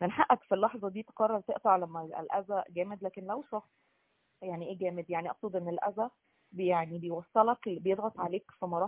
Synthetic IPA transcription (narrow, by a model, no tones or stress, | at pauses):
nenħaʔːækfilːɑħzˤɑd̪iːt̪e̥qɑrˤːɑɾˤt̪eʔt̪ɑʕlæmːæ̰lʔæzæɡæːmed̪læːkenlæwʃɑxsˤ | jaʕniʔeːɡæːmed̪jaʕniʔɑfsˤuːd̪ˤʔenːelʔæ̰zæ | bejaʕnibejwɑsˤːelɑkbejed̪ˤɣɑt̪ˤʕaleːkfimɑɾˤɑː